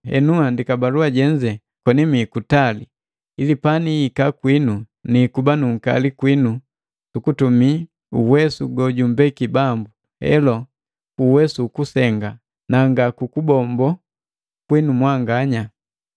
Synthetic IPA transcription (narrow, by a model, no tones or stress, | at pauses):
hɛ̰nuandikabaluaɟɛɲd͡ʒɛ | kɔnimikutali | ilipaniːkakwinu | nikubanuŋ̩ka̰likwinu | sukutumi | uwɛsuɡɔɟumbɛkibambu | ɛ̰lɔ | kuwɛsuːkusɛŋɡa | naŋɡakukubɔmbɔ | kwinumwaŋɡaɲa